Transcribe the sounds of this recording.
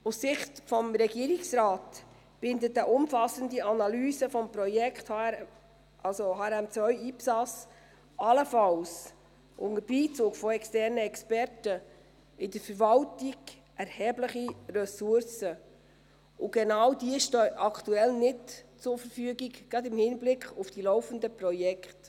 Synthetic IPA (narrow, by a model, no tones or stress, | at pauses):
ussɪχtfɔmɾɛɡiəɾiksraːt | b̥ɪndətəʔʊmfɑsəndiɑnɑlyːsəfɔmpɾɔjɛkʰth | ɑlsohɑːɾæmt͡sʋœʏiːpsɑs | ɑləfɑls | ʔʊŋəbiːt͡sʊːɡfɔɛkstɛɾnəɛkspɛɾtə | ɪdəfəɾvɑltiɡ | ʔɛɾhɛːbləχirœsʊɾsə | ʊɡ̥ɛnɑwdiəʃtøːɑkʰtuɛlnɪtt͡sʊɾfəɾfyːɡiɡɡɾɑdɪmhɪnblɪkχʊfd̥ilɔʊfəndəprɔjɛkχt